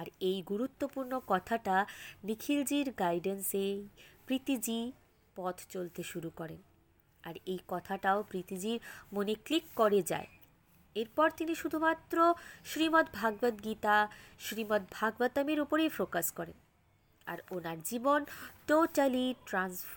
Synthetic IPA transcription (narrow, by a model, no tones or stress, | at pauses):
aɾejɡuɾut̪ːopuɾnokɔt̪ʰaʈanikʰild͡ʑiɾɡajɖensepɾit̪id͡ʑi | pɔt̪ʰt͡ɕolt̪eʃuɾukɔɾen | a̰ɾejkɔt̪ʰaʈaopɾit̪id͡ʑiɾmoniklikːoɾed͡ʑa̰e | eɾpɔɾt̪iniʃud̪ʱumat̪ːɾoʃɾimot̪bʱaɡbad̪ɡit̪aʃɾimot̪̚bʱaɡbat̪ameɾupoɾejpɾokaʃkɔɾḛn | a̰ɾonaɾd͡ʑibonʈoʈaliʈɾansf